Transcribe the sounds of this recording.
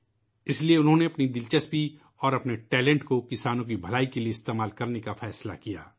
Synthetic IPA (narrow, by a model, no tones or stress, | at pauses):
ɪslieʊnɦõneɐpnid̪ɪlt͡ʃəspi | ɔːɾɐpneʈɛːlɛ̃ɳʈkokɪsaːnõk̬ibʱɐlaːikelieɪst̪eːmaːlkɐɾnekafɛːsla̰kijaː